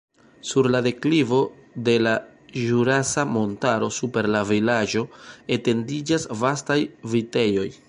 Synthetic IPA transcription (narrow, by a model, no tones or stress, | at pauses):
suɾlade̞klivo̞de̞laʒuɾasamo̞ntaɾo̞supe̞ɾlavilad͡ʒo̞e̞te̞ndid͡ʒasvastajvite̞jo̞j